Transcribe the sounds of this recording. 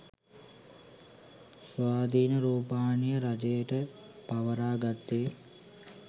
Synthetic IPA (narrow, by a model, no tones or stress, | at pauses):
sʋaːd̪iːnəɾuːpaːnijəɾad͡ʒejəʈəpaʋəɾaːɡat̪ːeː